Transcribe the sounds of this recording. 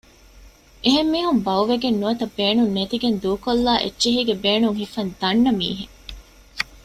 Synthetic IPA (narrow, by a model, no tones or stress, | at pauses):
ʔeɦemːiːɦumbɐwʋeɡenːuʋɐt̪ɐbeːnunːet̪iɡend̪uːkolːaːʔḛtːʃeɦiːɡebeːnuŋhifɐnd̪̥ɐɳːɐmḭːɦe